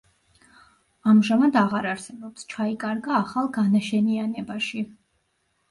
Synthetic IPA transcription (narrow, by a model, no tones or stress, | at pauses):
amʒamad̪aʁaɾaɾsɛbɔpst͡ʃʰaikʼaɾɡaːχalˠɡanaʃɛnianɛbaʃi